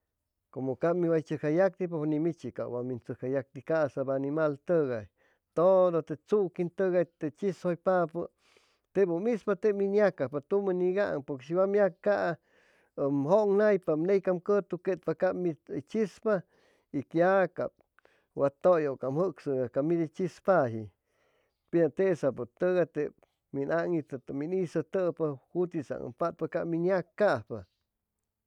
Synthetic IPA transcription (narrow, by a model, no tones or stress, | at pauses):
komokamiwajt͡ʃɨkajak̚d̪ip̬onimit͡ʃika̰wamint͡sɨkajak̚t̪ikaʔsabanimalt̪əɣaj | t̪od̪ot̪et͡sukint̪əɣajt̪et͡ʃishojpapə | t̪ebumispat̪eminjakapat̪umaniɡaʔŋpoɾkeʃ̬iwamjakkaʔ | əmɦoŋnajpamnejkamkət̪uket̪̚pakamit͡ʃispa | ikjaka̰p̚ | wat̪ojokamhɨksɨakamid̪it͡ʃispaɦi | piat̪esap̬ut̪əɣat̪e | minaŋit̪t̪minisat̪əpahut̪isa̰ŋə̰mpat̪̚pakaminjakːahpa